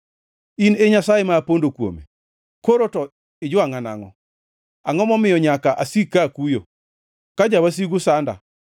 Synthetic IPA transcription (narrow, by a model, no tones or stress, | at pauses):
ineɲasajemaːpondokwo̰mḛ | koɾotɔ | ɪd͡ʒʊaŋana̰ŋɔ̰ | aŋɔmɔmɪjɔɲakaʔasikːakujo̰ | kad͡ʒawas̬iɡʊsanda̰